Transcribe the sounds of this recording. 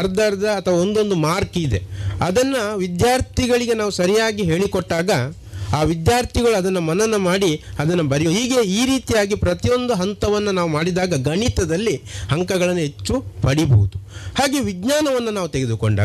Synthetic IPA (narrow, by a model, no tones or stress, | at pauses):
ɐɾd̪aɾɐd̪ɐːt̪ʰɐʋao̞nd̪o̞nd̪umaːɾkid̪eɐd̪ɐnːɐʋid̪jaːɾt̪ʰiɡɐɭiɡe̞naːʋusɐɾijaːɡiɦe̞ːɭikoʈːaːɡɐ | aːʋid̪jaːɾt̪ʰiɡɐɭuɐd̪ɐnːɐmɐnɐnːɐmaːɽiɐd̪ɐnːɐbɐɾjiːɡe̞iːɾiːt̪ijaːɡipɾɐt̪ijo̞nd̪uɦɐnt̪ɐʋɐnːɐnaːʋumaːɽid̪aːɡɐɡɐɳit̪ɐd̪ɐlːihɐŋkɐɡɐɭɐnːuɦe̞t͡ʃːupɐɽibɐɦud̪uhaːɡe̞ʋiɡnaːnɐʋɐnːɐnaːʋut̪eɡed̪uko̰ɳɖa̰ː